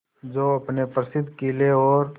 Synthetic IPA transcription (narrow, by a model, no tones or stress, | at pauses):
d͡ʒoːɐpnepɾəsɪd̪kileɔːɾ